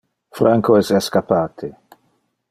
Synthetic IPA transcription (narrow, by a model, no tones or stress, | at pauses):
fɾaŋkoɛsɛskapːaːt̪ʰe